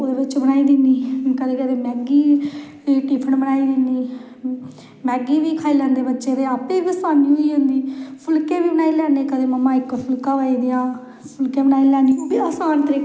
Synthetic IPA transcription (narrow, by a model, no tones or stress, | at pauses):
oːd̪eːbɪt͡ʃbənaːiːd̪ɪniːkəd̪eːkəd̪eːmɛːɡiː | ʈiːpʰəɳbənaːiːd̪ɪniː | mɛːɡiːʋiːkʰaːiːlɛ̃ːnd̪eːbətːʃeːd̪eːaːpebisaːniːɦoiːɦõnd̪iːpʰʊlkeːbiːbənaːiːlɛːneːkəd̪eːməmːãːɪkpʰʊlkãːʋaːiːd̪ɪjãː | pʰʊlkeːbənaːilɛːniobiaːsaːnt̪əɾiːk